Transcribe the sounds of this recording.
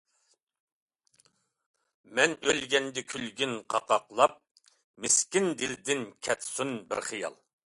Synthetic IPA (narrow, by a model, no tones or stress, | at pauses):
mɛnølɡʲɛnd̪ɪkʲʰylɡʲynqʰɑqɑqlˠɑp̚ | mɪskʲind̪ɪld̪ɪnkʲʰɛt̪sunbɪ̰ɾχijɑ̰lˠ